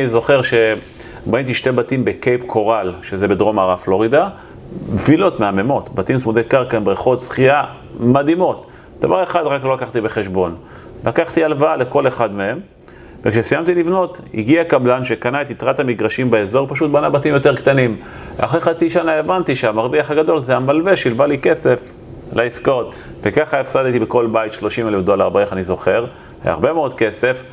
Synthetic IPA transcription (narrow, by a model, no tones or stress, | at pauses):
izo̞χeʁʃe̞ | baint̪̬iʃte̞batimbekejpkʰo̞ʁalʃezebedʁo̞maʁaflo̞ʁid̪a | mvilo̞tmeame̞mo̞t̪batimsmud̪ekaʁkanbʁeχo̞t̪sχia | mad̪imo̞t̪ | d̪̥avaʁe̞χad̪ʁaklo̞lakaχt̪ibe̞χe̞ʃbo̞n | lakaχt̪ialvaale̞ko̞le̞χad̪mee̞m | vekʃesijamt̪ilivno̞t̪hḭɡiakablanʃekanaet̪it̪ʁat̪hamiɡʁaʃimbeezo̞ʁpaʃut̪̚banabatimjoteʁkt̪animv̰a̰χʁeχat͡siʃanaevant̪iʃeamaʁviaχaɡad̪o̞lzeamalve̞ʃilbalike̞se̞f | laiskoot̪ | vekaχaefsadt̪ibeko̞lbajit̪ʃlo̞ʃimelefd̪o̞laʁbeeχanizo̞χe̞ʁ | ha̰a̰a̰ʁbe̞meod̪̚ke̞sef